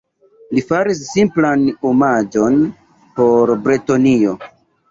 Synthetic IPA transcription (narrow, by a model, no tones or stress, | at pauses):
lifaɾis̬ːimplanumad͡ʒo̞n | po̞ɾbɾetonio̞